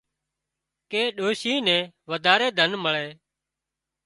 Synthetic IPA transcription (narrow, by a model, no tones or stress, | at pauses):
keːɗoːʃiːnɛ̃ːʋəd̪ʱaːɾeːd̪ʱənməɭeː